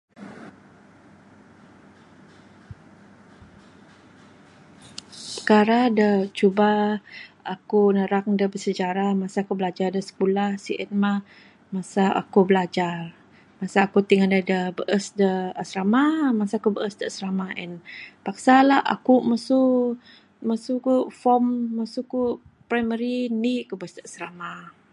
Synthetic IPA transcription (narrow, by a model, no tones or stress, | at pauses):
pəkaɾadət͡ʃuba | akunəɾak̚dəbəsəd͡ʒaɾamasakubəlad͡ʒardəsə̥kulahsiʔɛt̪̚mah | masaa̰kubəlad͡ʒar | masaːkut̪iŋandadəbəʔəsdəasɾamamasakubəʔəsdəasɾamaʔɛnpaksalaha̰kuməsu | məsukufɔmːasukupɾajməɾiniʔkubəəsdəasɾama